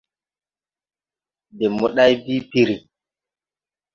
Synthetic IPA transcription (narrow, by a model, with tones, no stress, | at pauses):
de˨mo˦ɗa˦jbi˦pi˦ɾi˨